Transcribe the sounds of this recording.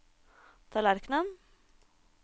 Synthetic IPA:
t̪ʰɑːlæɾknən

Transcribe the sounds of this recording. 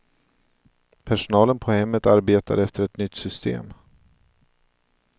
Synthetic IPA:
pʰæʂʊnɑːlənpʰɔhɛmːət̪aɾbeːt̪a̰ɾɛft̪əɾɛt̪nʏt̪ːsʏst̪ḛːm

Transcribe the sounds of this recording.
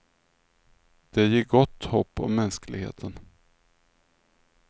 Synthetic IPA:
d̪̥ɛjɪɡɔt̪ːhɔpːɔ̰mːɛnsklɪɡhḛːt̪ʰən

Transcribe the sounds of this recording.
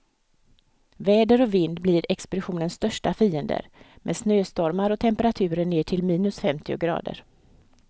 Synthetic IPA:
vɛːd̪əɾɔvɪnd̪bliːɾɛkspʊd̪ɪɧuːnənst̪œʂʈafiːənd̪ə̰ɾmʔɛ̰snøːst̪ɔɾmaɾɔt̪ʰɛmpəɾat̪ʰʉ̟ːɾəɳeːʈʰɪlmiːnɵsfɛmt̪ʰɪʊ̰ɡɾɑ̰ːd̪ə̰ɾ

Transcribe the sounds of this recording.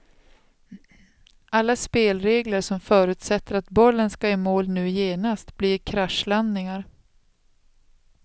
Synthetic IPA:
ʔalːaspeːlɾeːɡləɾʂɔmfœːɾʉ̟ːt̪sɛt̪ːəɾat̪bɔlːənskaeːmoːlnʉ̟ːjeːnast̪bliːɾkʰɾaʂland̪nɪŋaɾ

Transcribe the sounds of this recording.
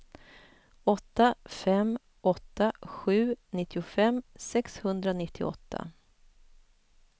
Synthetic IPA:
ɔt̪ːafɛm | ʔɔt̪ːaɧʉ̟ːnɪt̪ːɪʊfɛmsɛkshɵnd̪ɾanɪt̪ʰːɪ̰ɔ̰t̪ʰːa̰

